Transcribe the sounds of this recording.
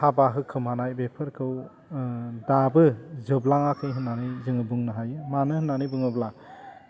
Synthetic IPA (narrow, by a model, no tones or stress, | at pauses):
habaɦɯkʰɯmhanajbepʰɯɾkʰɯw | dabɯzɯblaŋakʰɯjɦɯnːanɯjzɯŋɯbɯŋnɯɦajɯmanɯhɯnːanɯjbɯŋɯblaŋ